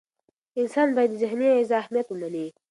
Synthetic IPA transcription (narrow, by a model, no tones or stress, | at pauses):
ɪnsɑːnbɑjad̪ːəzɪɦnijoɪzɑhmijat̪wəmani